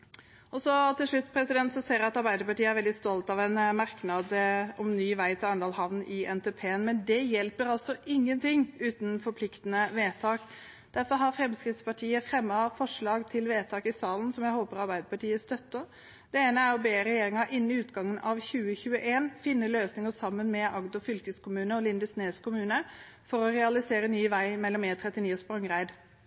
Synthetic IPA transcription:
ʔɔsɔt̪ʰɪlʂɭʉt̪ːpʰɾɛsɪd̪ɛnt̪sɔseːɾjæɑt̪ɑɾbæɪd̪əɾpɑʈiːəæɾʋɛld̪ɪst̪ɔlt̪ɑʋɛnmɑɾknɑd̪ɔmnyːʋæɪt̪ʰɪlɑɳd̪ɑːlhɑʋnɪɛnt̪ʰeːpʰeːnmɛnd̪ɛjɛlpəɾɑlt̪sɔʔɪŋːənt̪ʰɪŋːʉːt̪nfɔɾpʰlɪkt̪ənəʋeːt̪ʰɑːk | d̪̥æɾfɔɾɦɑɾfɾɛmskɾɪt̪spɑʈʰiːəfɾɛmːɑfɔʂɭɑːɡt̪ʰɪlʋeːt̪ʰɑːkɪsɑːlən̩sɔmjæɪhoːpəɾɑɾbæɪd̪əpɑʈiːəst̪œt̪ːə | d̪̥ɛeːnəæɾɔbeːɾɛjeːɾɪŋɑʔɪnːnɪʉːt̪ɡɑŋːənʔɑʋçʉːəçʉːəʔeːnfɪnːəløːsnɪŋəsɑmːənmɛʔɑɡd̪ɔfʏlkəskʰʊmʉːnəɔlɪnd̪əsneːskʰʊmʉːnə | fɔɾɔɾɛɑlɪseːɾənyːʋæɪmɛlːɔmeːt̪ʰɾɛt̪ːɪniːɔspɾɑŋʁæɪd̪

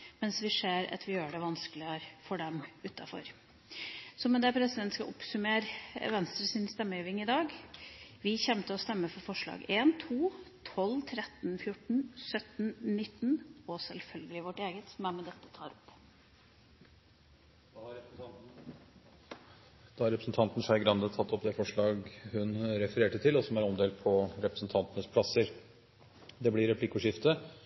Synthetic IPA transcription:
mɛnsʋɪʂeːɾɑ̰t̪ʰʋɪjøːɖɛʋɑnskəlɪæɾfɔɖɛmʉːt̪ːɑfɔ̰ɾ | sɔmɛd̪ɛpʰɾɛsɪd̪ɛnt̪skɑ̰ʔʊ̰psʉmeːɾʋɛnst̪ɾəsɪnst̪ɛmːəeːʋɪŋɪd̪ɑːɡ | ʋɪçɛmt̪əɔst̪ɛmːəfɔɾfɔʂɭɑ̰ːɡeːnt̪ʰuːt̪ʰɔlːt̪ʰɾɛt̪nfjʊʈɳ̩sœt̪n̩nɪt̪ːnɔsɛlfœlɡəlɪʋɔʈeːɡət̪sɔmæɾmɛd̪ɛt̪ːə̥t̪ʰɑ̰ːɾɔp | d̪ | d̪̥ɑːhɑɾɛpɾəsn̩t̪ʰɑnt̪n̩ʂæɪɡɾɑnd̪ət̪ʰɑt̪ːɔpːd̪ɛfɔʂɭɑːɡhʉnɾɛfəɾeːʈət̪ʰɪlɔsɔmæɾɔmd̪eːld̪̚pʰɔɾɛpɾəsn̩t̪ʰɑnt̪ənəspʰlɑsəɾ | d̪ɛblɪɾɛpʰlɪkːʊʂɪft̪ə

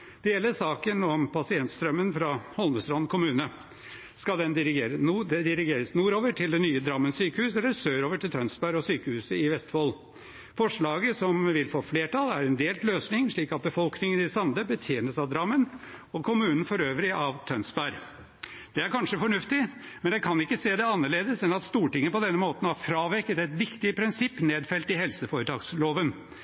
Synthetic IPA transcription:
d̪ɛjɛlːəsɑːkənɔmpʰɑsɪɛnt̪st̪ɾœmːənfɾɑhɔlnəsɾɔnnkʰʊmʉːnə | skɑd̪ɛnd̪ɪɾɪɡeːɾəd̪ɛd̪ɪɾɪɡeːɾəsnuːɾoːʋəʈʰɪld̪ɛnyːəd̪ɾɑmːənsyːkəhʉːsɛlːəɾsøːɾoːʋəʈʰɪlt̪ʰœnsbæɾɔsyːkəhʉːsəɪʋɛst̪foːl | fɔʂɭɑːɡəsɔmʋɪlfoːfleːʈʰɑlæɾɛnd̪eːlt̪løːsnɪŋʂɭiːkɑt̪̚bəfɔlknɪŋənɪsɑmd̪əbət̪ʰjeːnəsɑʋd̪ɾɑmːən | ɔkʰʊmʉːnn̩fɔɾøːʋɾɪʔɑʋt̪ʰœnsbæɾ | d̪̥ɛæɾkɑnʂəfɔɳʉft̪ɪ | mɛnd̪ɛkʰɑnɪkːəseːd̪ɛɑnːəɭeːd̪əsɛnɑt̪st̪uːʈɪŋəəpɔd̪ɛnːəmoːt̪nhɑɾfɾɑːʋɛkət̪ɛɪt̪ʋɪkt̪ɪəpʰɾɪnsɪpːneːd̪fɛlt̪ɪɦɛlsəfoːɾət̪ʰɑːɡsloːʋən

